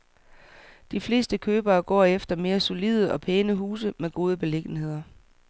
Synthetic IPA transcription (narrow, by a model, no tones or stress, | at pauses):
d̥ifle̝̰ːsd̥əkʰøːb̥ɐːɡ̥ɒ̰ːefd̥ɐme̝ːɐso̝lið̞ˠəʔɒ̽pʰeːnəɦuːsəmeɡ̥o̝ːð̞ˠəb̥e̝le̝ɡ̥n̩he̝ð̞̰ˠɐ